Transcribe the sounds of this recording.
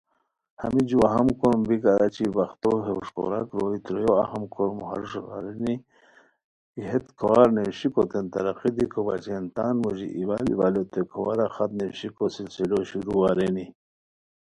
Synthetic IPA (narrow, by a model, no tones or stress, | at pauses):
ha̰mid͡ʒuaɦamkoɾmbikaɾat͡ʃibaxt̪oɦeuʂko̰ɾakɾoit̪ɾojoa̰hamkʰoɾmuha̰ɾʂɣa̰ɾeni | iɦet̪kʰɐwaɾnewɕikot̪ent̪ɐɾaqid̪ikʰoba̰t͡ʃent̪aːnmoʑḭʔiwalḭbalot̪ekʰawaɾaxat̪neɕikosilsiloɕiɾuaɾeni